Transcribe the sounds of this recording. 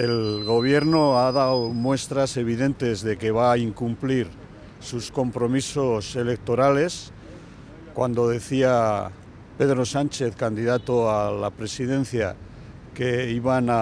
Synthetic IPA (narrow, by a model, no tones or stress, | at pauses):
e̞lɣo̞β̞je̞ɾnoaðawmwe̞st̪ɾase̞β̞iðe̞nt̪e̞zðe̞ke̞βaːiŋkumpliɾ | susko̞mpɾo̞miso̞se̞le̞k̚t̪o̞ɾale̞s | kwand̪o̞ðe̞θia | pe̞ðɾo̞sant͡ʃe̞θkand̪iðat̪oalapɾe̞siðe̞n̟θja̰ | ke̞iβana